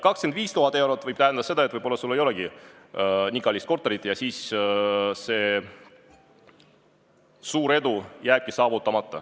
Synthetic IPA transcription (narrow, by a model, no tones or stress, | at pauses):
kɑkskenviːst̪uɦɑt̪ːˑe̞wɾo̞t̪ˑːvɤjb̥̚t̪æɦænd̪ɑse̞d̪ɑet̪vɤjbo̞lːɑsulːe̞jo̞lɛɡi | niɡɑlist̪ko̞rt̪ːˑeɾit̪ːˑjɑsiːs | se̞ː | suːɾe̞d̪̥ujæːb̥̚kisɑːvut̪ːˑɑmɑt̪ːˑɑ